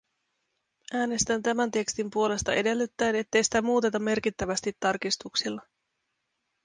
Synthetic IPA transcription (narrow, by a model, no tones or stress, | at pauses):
ʔæːne̞st̪ænt̪æmænt̪e̞kst̪impuo̞le̞st̪ɑʔe̞de̞lːet̪ːæjne̞t̪ːe̞jsi̥t̪æmuːt̪e̞t̪ɑmːe̞rk̟it̪ːæʋæst̪it̪ːɑrkist̪uksilːɑ